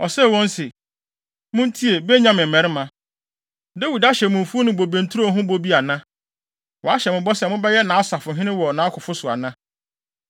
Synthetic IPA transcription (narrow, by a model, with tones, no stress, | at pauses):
ɔ˨sɛ˦˨wɔ̃˦nsɪ˨ | mʊ̃˦n̩˦tʰi˦e˨be˦ɲã˦mɪ̃˨mɛ̃˨ɾɪ˦mã˨ | de˦wi˨da˦ɕɛ˨mʊ̃˨m˨fu˦o˦nʊ̃˨bo˨bẽ˨n̩˨tʰu˦ɾo˦ɦʊ̃˦bo˦bi˦a˨nã˦ | wɔ˨a˦ɕɛ˨mʊ̃˨bɔ˦sɛ˨mʊ̃˦bɛ˦jɛ˦nã˨a˦sa˨fʊ˨ɦɪ̃˦nɪ̃˦wɔ˨nãː˨˦kʰʊ˨fʊ˦sʊ˨a̰˨nã˦